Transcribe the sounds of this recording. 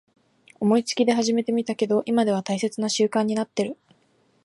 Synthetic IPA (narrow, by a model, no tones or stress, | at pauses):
o̞mo̞it͡sɨ̥kʲid̪e̞ɦaʑime̞t̪e̞mʲit̪ake̞d̪o̞ʔimad̪e̞β̞at̪aise̞t͡sɨnaɕɨːkãɲ̟ːinat̪ːe̞ɾɯ̟